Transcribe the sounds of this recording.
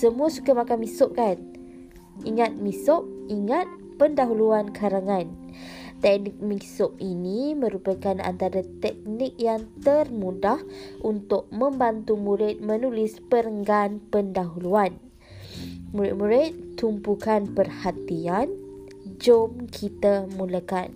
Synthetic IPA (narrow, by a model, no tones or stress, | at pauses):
səmũasu̥kəmakanmisʊʔ̚kan | iŋat̪̚misʊp̚iŋat̪̚ | pəndaɦuluankʰaɾaŋan | t̪ɛk̚nik̚mĩsʊp̚inimə̃ɾupəkana̰nt̪aɾat̪ɛk̚nɪk̚jaŋt̪ərmũdahunt̪ʊk̚mə̃mbant̪umuɾɪt̪̚mə̃nulispəɾəŋɡanpəndaɦuluan | muɾɪt̪̚muɾɪt̪t̪umpukanpərhat̪ian | d͡ʒomkʰit̪amũlakan